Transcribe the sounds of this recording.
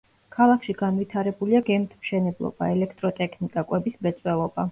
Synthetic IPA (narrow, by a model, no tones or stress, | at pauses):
kʰalˠakʰʃiɡanwit̪ʰaɾɛbuliaɡɛmt̪ʰmʃɛnɛblˠɔ̰b̥a̰ɛlɛkʰt̪ʼɾɔt̪ʼɛkʰnikʼakʼwɛbismɛt̪sʼwɛlˠɔba